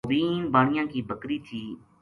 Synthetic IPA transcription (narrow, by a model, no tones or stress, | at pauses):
biːnbaːɳɪjãːkiːbəkɾiːt̪ʰiː